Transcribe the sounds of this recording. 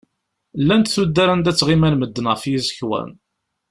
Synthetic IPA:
lːænt̪θud̪ːaɾænd̪æt͡sːʁimænməd̪ːnəʁfijizəçwæ̰n

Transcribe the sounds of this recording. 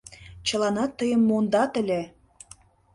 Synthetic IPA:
t͡ɕə̆lɑnɑt̪ːəjəmːond̪ɑt̪ə̆lʲe

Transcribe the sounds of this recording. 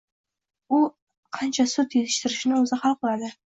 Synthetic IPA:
ʊ | qʰɑnt͡ʃʰasʊt̪jet̪ʰɪ̥ʃt̪ɪɾɪʃɪnɪɵzɪχɑlˠq̚olˠad̪ɪ

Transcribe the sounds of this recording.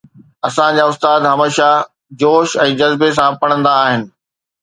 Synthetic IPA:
ɐsãd͡ʑaʊst̪aːd̪ɦɐmeːʃa | d͡ʑoːʃɛ̃ːd͡ʑɐzbes̬ãpɐɽ̃ə̃nd̪aːɦɪnɪ̆

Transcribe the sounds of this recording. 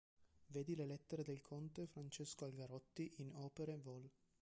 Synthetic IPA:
veːd̪ilelɛt̪ːeɾed̪elkʰont̪efɾant͡ʃeskoalɡaɾɔt̪ːiʔinɔːpeɾevɔl

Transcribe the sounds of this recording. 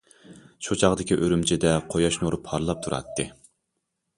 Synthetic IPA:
ʃut͡ʃʰɑʁd̪ɪkʲiʔøɾymt͡ʃʰɪd̪ɛqʰojɑʃnuɾupʰːɑɾlˠɑp̚t̪ʰuɾɑ̰t̪ːɨ

